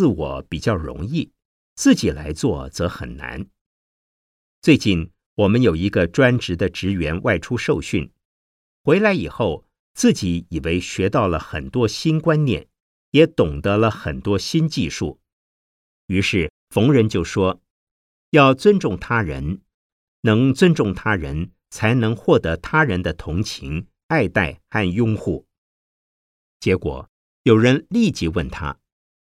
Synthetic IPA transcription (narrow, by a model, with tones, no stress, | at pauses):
t͡sɹ̩˥˩wɔ̰˨˧˩pi˨˩t͡ɕjɑ˥˩ʊɻʊ̰˧˥ŋi˥˩ | t͡sɹ̩˥˩t͡ɕi˨˩la˧˥ɪt͡swɔ˥˩t͡sɤ˧˥xə̰˨˩nna̰˧˥n | t͡swe˥˧ɪt͡ɕi˥˩n | wɔ˨˩mə˦njo˨˩ʊi˧˥ɡə˧ʈ͡ʂwa˥nʈ͡ʂɻ̩˧˥d̪ə˧ʈ͡ʂɻ̩˧˥ɥɛ˧˥nwʔa˥˧˩ɪʈ͡ʂʰu˥ʂo˥˧ʊɕy˥˩n | xwe˧˥ɪla˧˥ɪi˨˩xo˥˩ʊ | t͡sɹ̩˥˩t͡ɕi˧˥i˨˩we˧˥ɪɕɥɛ˧˥t̪ɑ˥˩ʊlə˩xə̰˨˩nt̪wɔ˥ɕi˥nkwa˥nnjɛ̰˨˩˦n | jɛ˧˥t̪ʊ˨˩ŋt̪ə˧˦lə˧xə˨˩nt̪wɔ˥ɕi˥nt͡ɕi˥˧ʂṵ˥˩ | y˧˥ʂɻ̩˥˩ | fʊ˧˥ŋɻə˧˥nt͡ɕjo˥˩ʊʂwɔ˥ | jɑ˥˩ʊt͡swə˥nʈ͡ʂʊ˥˩ŋt̪ʰa˥ɻə̰˧˥n | nɤ˧˥ŋt͡swə˥nʈ͡ʂʊ˥˩ŋt̪ʰa˥ɻə̰˧˥n | t͡sʰa˧˥ɪnɤ˧˥ŋxwɔ˥˩t̪ɤ˧˥t̪ʰa˥ɻə˧˥nd̪ə˧t̪ʰʊ˧˥ŋt͡ɕʰḭ˧˥ŋ | a˥˧ɪt̪a˥˩ɪxa˥˧njʊ˥ŋxu˥˩ | t͡ɕjɛ˧˥kwɔ̰˨˩ | jo˨˩ʊɻə˧˥nli˥˩t͡ɕi˥wə˥˩nt̪ʰa̰˥